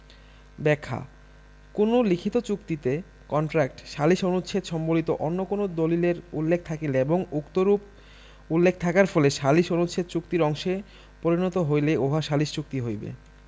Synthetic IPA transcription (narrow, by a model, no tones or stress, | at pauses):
bɛkʰːa̰ | konolikʰit̪ot͡ɕukt̪it̪e | kɔɳʈɾak̚ʈʃaliʃonut̪ːʃʰet̪ʃɔmbolit̪oʔonːokonod̪olileɾulːek̚ʰt̪ʰakeleboŋukt̪oɾup | ulːekʰt̪ʰakaɾfɔleʃaliʃonut̪ʃʰet̪̚t͡ɕukt̪iɾɔŋʃe | poɾinɔt̪oɦojleoɦaʃaliʃt͡ɕuk̚t̪iɦojbḛ